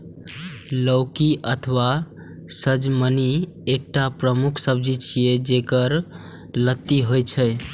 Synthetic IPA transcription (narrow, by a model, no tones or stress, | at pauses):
ləʊkiʔət̪ʰəwa | səd͡ʒməni | ek̚ʈapɾəmukʰsəb̚d͡ʒit͡ʃʰijed͡ʒekəɾ | lət̪ːiɦojt͡ʃʰəj